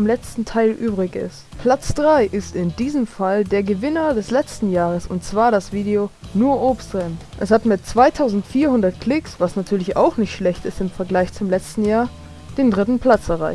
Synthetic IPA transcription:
mlɛt͡stn̩tʰaɪlʔyːbʁɪkɪ̰stpʰl̥at͡sd̥ʁaɪʔɪstɪndiːzəmfaldeːɐɡəvɪnɐdɛslɛt͡stn̩jaːʁ̞əsʊntt͡sv̥aːɐɾasv̥iːdeonuːɐʔoːpstʁɛnʔɛshatmɪtt͡sv̥aɪtʰaʊzn̩tfiːɐhʊndɐtkl̥ɪksv̥asnatʰyːɐlɪça̰ʊxnɪçtʃlɛçtɪstɪmfɛɐɡlaɪçt͡sʊmlɛt͡stn̩jaːɐ | d̥eːndʁɪtn̩pʰl̥at͡sɛɐʁ̞aɪç

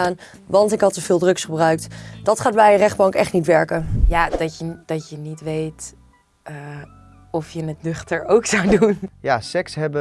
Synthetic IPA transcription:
aːn | ʋɑntɪkɦɑtːəv̥ɪːlˠdrɵksχəbrœɥktd̥ɑtχaːd̚bɛjərɛχ̚bɑŋkɛχtnitʋɛɹkənjaːdɑcəd̥ɑtənitʋejtː | ɔfjənətnʏχtəɹowksawdunjasɛksɦɛbə

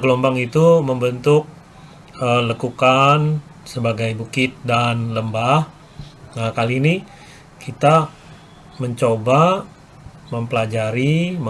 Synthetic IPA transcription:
ɡəlombaŋit̪uməmbənt̪ʊk̚ | ələkukan | səbaɡajbukɪt̪̚danləmbah | ŋakalini | kit̪a | məɲt͡ʃoba | məmpəlad͡ʒaɾimə

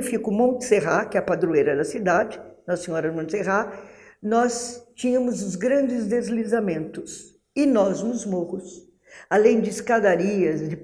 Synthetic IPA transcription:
fikʊmõnt̪ɪ̥seɦakɪɛɐpad̪ɾuejɾɐd̪ɐsid̪ad͡ʒɪnɔsɐsĩɲɔɾɐmõt̪seɦanɔst͡ʃĩɲɐ̃mʊzʊzɡɾɐ̃nd͡ʒɪzd̪ezlizamẽnt̪ʊs | ɪnɔznʊzmohʊs | alẽj̃d͡ʒɪːskad̪aɾiɐzd͡ʒɪ

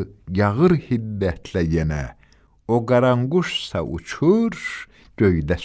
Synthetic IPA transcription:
jɑʁɯɾhid̪ːæt̪ʰlæjenæ̰ | oɡaɾaŋɡuʃsa̰ʔṵt͡ʃʰuɾʃ | ɟ̥øjd̪æ

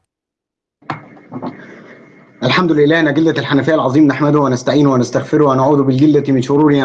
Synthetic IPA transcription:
ʔælħamd̪ʊlɪlːæːhnæɡɪld̪ælħanæfæːʔalʕɑðˤiːmnaħmæd̪ʊhwɪnast̪aʕiːnwænast̪aɣfɪɾʊwænaʕuːd̪bɪlɡɪld̪æmɪnʃʊɾuːɾi

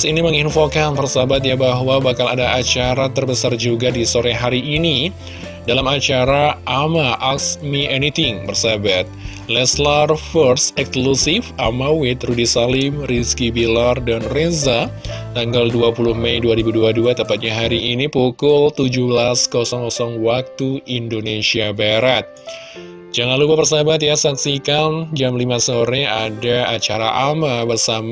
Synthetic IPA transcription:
siniməŋinfokanpərsabat̪̚jabaɦwabakala̰daat͡ʃaɾat̪ərbəsard͡ʒuɡadisoɾɛɦaɾiʔːni | dalamat͡ʃaɾaʔamaʔaksmiʔɛnit̪ɪŋbərsabat̪̚ | lɛslarfərsɛksklusifamawɪt̪rudisalɪmriskibilardanrezat̪aŋɡalduapuluhmɛjduaɾibuduaduat̪əmpat̪̚ɲaɦaɾiʔinipukʊlt̪ud͡ʒubəlaskɔsɔŋkɔsɔŋwak̚t̪uindonesiabaɾat̪̚ | d͡ʒaŋanlupapərsabat̪̚jasaksikand͡ʒamlimasoɾɛadaat͡ʃaɾa̰ʔamabərsam

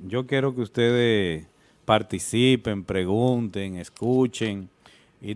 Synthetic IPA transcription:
d͡ʒokjeɾokeust̪eðes | paɾt̪isipempɾeɣunt̪eŋeskut͡ʃeŋ | i

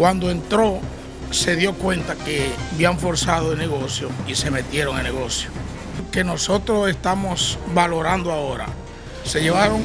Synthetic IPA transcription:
kwand̪oe̞nt̪ɾo̞ | se̞ðjo̞kwe̞nt̪akeβjaɱfo̞ɾsaðoelne̞ɣ̞o̞sjoise̞me̞t̪je̞ɾo̞ŋelneɣo̞sjo | ke̞no̞so̞t̪ɾose̞st̪amo̞sβalo̞ɾand̪oao̞ɾa̰ | se̞ʝeβaɾoŋ

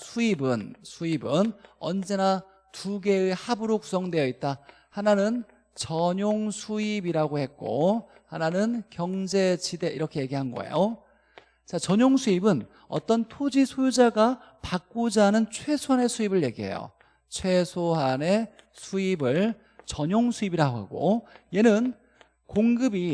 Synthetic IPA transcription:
sʰuibɯnsʰuibɯnʌ̰nd͡ʑe̞na | tuɡe̞ɯehabɯɾoku̥sʰʌŋdwe̞jʌit̚t͈a | hananɯn | t͡ɕʌɲoŋsʰuibiɾaɡohe̞t̚k͈o̰ | hananɯnkjʌŋd͡ʑe̞t͡ɕide̞ʔḭɾʌkʰe̞je̞ɡiɦanɡʌ̰ḛjo | t͡ɕat͡ɕʌɲoŋsʰuibɯn | ʌ̰t͈ʌntʰod͡ʑisʰojud͡ʑaɡa | pak̚k͈ud͡ʑanɯnt͡ɕʰwe̞sʰoɦane̞sʰuibɯɭje̞̰ɡiɦḛjo̰ | t͡ɕʰwe̞sʰoɦane̞ | sʰuibɯɭ | t͡ɕʌɲoŋsʰuibiɾaɡoɦa̰ɡo̰je̞nɯn | koŋɡɯbi

